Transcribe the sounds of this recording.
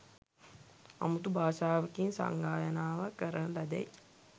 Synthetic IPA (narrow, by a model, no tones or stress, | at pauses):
a̰mut̪ubʱaːʃaːʋəkinsa̰ŋɡaːjɐnaːʋakːəɾənlɐd̪ɛ̰j